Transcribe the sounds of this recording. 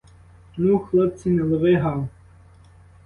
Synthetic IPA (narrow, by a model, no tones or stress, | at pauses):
nuxlˠɔp̚t͡sʲinɛlˠɔʋɪɦɑw